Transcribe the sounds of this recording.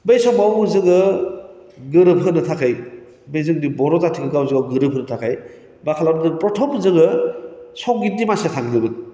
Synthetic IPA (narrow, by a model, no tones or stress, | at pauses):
bejsɔmawzɯŋɯ | ɡɯɾɯb̚ɦɯnɯtʰakʰaj | bejzɯŋdibɔɾɔzatʰikɯɡawzɯŋawɡɯɾɯp̚ɦɯnɯtʰakʰaj | bakʰalandɯŋpɾɔtʰɔmzɯŋɯsɔŋɡindimasetʰaŋdɯbɯn